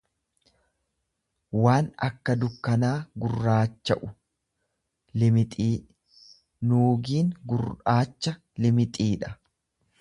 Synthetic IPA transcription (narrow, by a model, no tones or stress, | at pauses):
waːnɐ̰kːɐd̪ʊkːɐnaːɡʊrːaːt͡ʃːɐʔʊ̥ | lɪmɪt̪ʼiː | nuːɡiːŋɡʊraːt͡ʃːɐ | lɪmɪt̪ʼiːᶑɐ̥